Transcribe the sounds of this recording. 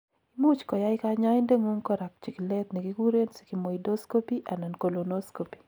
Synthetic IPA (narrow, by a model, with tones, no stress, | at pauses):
i˦mu˦t͡ʃkɔ˨ja˦ɪ˦kaɲa˦ɪ˦nde˦ŋo˦ŋkɔ˦ɾa˨k̚t͡ʃi˨klɛ˦t̪ni˨ki˦ku˦ɾe˦nsi̥˨ki˨mɔ˨ido˦sko˦pi˦ʔa˨na˨nko˨lo˨no˦sko˨pi̥˨